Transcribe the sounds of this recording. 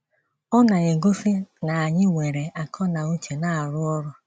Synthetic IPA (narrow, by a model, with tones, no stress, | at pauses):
ɔ˦na˨e˨ɡo˦fi˦na˨a˨ɲɪ˦ŋʷe˨ɾe˨a˨kʰɔ˦na˨u˦t͡ʃe˨na˦a˨ɾʊ˦ɔ˦ɾɔ˦